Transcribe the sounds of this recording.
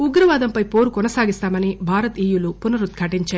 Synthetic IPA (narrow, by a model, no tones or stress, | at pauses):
uɡɾɐʋaːd̪ɐmpɐjpo̞ːɾukɔnɐsaːɡist̪aːmɐnibʱaːɾɐt̪iːjulupunɐɾut̪̚kʰɐʈiɲt͡ʃaː